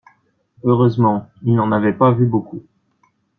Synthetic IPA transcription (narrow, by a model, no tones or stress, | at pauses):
øʁøzmɑ̃ilnɑ̃navɛpavyboku